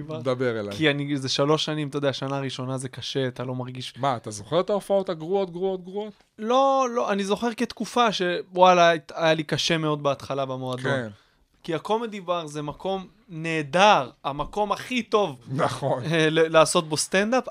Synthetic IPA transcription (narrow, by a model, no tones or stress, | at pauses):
vad̪abeʁela̰kjianizeʃalo̞ʃːanimt̪odeaʃanaːʁiʃo̞nazekaʃe̞at̪alo̞maʁɡiʃmaːt̪azo̞χeʁet̪aofao̞t̪aɡʁuot̪̚ɡʁuot̪̚ɡʁuot̪ | lo̞loʔanizo̞χeʁket̪kufaʃe̞walatajalikaʃe̞me̞o̞d̪̚beat̪χalabemoakd̪on | kiakolmed̪ibaʁzemako̞m | ne̞ːdaʁamako̞maχit̪o̞vnaχonlelaːso̞t̪̚bost̪end̪ap